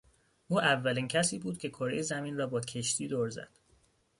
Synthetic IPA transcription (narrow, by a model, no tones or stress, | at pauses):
ʔuːʔævːæliːncʰæsiːbuːd̪̥̚cʲʰe̞kʰoɾḛjezæmiːnrɒːbɒːcʰe̞ʃt̪ʰiːd̪oːɾzæ̰d̪̥